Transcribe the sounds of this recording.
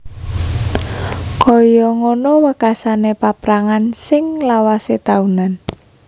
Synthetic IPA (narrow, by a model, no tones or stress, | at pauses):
kɔjɔŋonowəkasanepapɾaŋansɪŋlawaset̪aunan